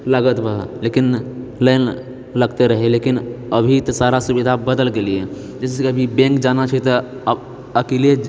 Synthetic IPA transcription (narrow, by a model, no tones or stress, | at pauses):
ləɡət̪bʱəɦlekinləɪn | ləɡt̪eɾəɦelekinəbʱit̪ɔsaɾasubid̪ʱabəd̪əlɡelie | d͡ʒɛːsekəbʱibɛ̃ŋkd͡ʒanat͡ʃʰət̪ə | əkelie